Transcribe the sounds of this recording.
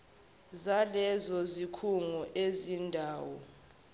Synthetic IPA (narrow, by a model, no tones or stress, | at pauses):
zalɛzɔzikʰuŋɔʔezindʱaːwɔ